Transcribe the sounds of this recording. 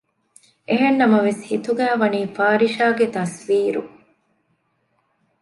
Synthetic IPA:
ʔeɦenːɐmɐʋeshit̪uɡæːʋɐniːfaːɾiʃaːɡet̪ɐsʋiːɾṵ

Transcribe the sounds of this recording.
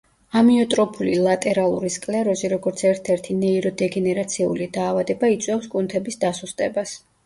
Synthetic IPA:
amiɔt̪ʼɾɔpʰulilˠat̪ʼɛɾalˠuɾiskʼlɛɾɔziɾɔɡɔɾt̪sʰɛɾt̪ʰɛɾt̪ʰinɛiɾɔd̪ɛɡɛnɛɾat̪sʰiṵlid̪aːvad̪ɛbait̪sʼwɛfskʼunt̪ʰɛbisd̪asust̪ʼɛbas

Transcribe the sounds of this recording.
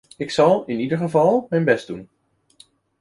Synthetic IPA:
ɪksɑlˠɪnidəɹχəvɑlˠmɛjnbɛsdun

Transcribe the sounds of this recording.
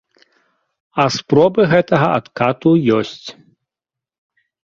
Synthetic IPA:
ɐspɾɔbɨɣɛt̪ɐɣɐat̪kat̪ujɔsʲt͡sʲ

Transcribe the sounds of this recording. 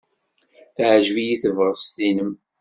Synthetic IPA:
θʕʒvijiθəvʁəst̪inəm

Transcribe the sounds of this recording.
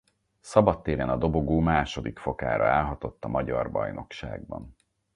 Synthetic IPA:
sɒbɒt̪ːeːɾɛnɒd̪o̞bo̞ɡoːmaːʃo̞d̪ikfo̞ka̰ːɾɒaːlɦɒt̪o̞t̪ːɒmɒɟɒrbɒjno̞kʃa̰ːɡ̚bɒ̰n

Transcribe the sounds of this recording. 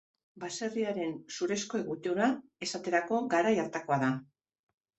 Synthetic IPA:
base̞riaɾe̞nsuɾe̞sko̞eɣut̪oɾae̞sat̪e̞ɾako̞ɡaɾajaɾt̪ako̞aða

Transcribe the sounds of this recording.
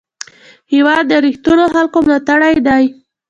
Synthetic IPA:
hɪwɑd̪ːəɾixt̪unoxalkomlat̪aɽajd̪aj

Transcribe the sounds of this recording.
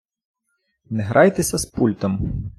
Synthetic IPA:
nɛɦɾʔɑjt̪esʲɐspulʲt̪ɔm

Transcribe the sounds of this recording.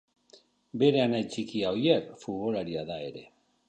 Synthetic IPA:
be̞ɾe̞anait͡ʃikiaojekfuβo̞laɾiaðae̞ɾe̞̰

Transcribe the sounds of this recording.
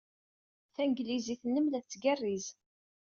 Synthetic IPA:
θæŋɡliziθnːəmlæθt͡sːɡærːiz

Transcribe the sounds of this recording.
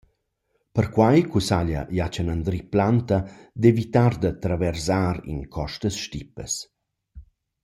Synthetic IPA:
pəɾkwajkusaʎɐ̰jat͡ʃənand̪ɾiplant̪ɐd̪evit̪aɾd̪ət̪ɾavɛɾzaɾḭnkʰɔʃt̪əsʃtipəs

